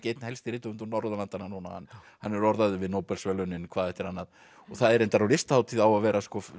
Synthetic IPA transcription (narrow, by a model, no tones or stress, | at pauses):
ceːjt̪nhɛjlst̪ɪɾɪːt̪ʏʏnt̪ɔnɔɾðalant̪anːanuna̰ha̰n | hanːɛɾɔɾðaðʏvɪðnowpɛlsvɛlœnɪnkʰv̥aːðɛht̪ɪɾ̥hanːað | ɔθaðɛɾejnt̪aɾawlɪst̪haːwt̪ʰiðawaðvɛːɾʔaskɔf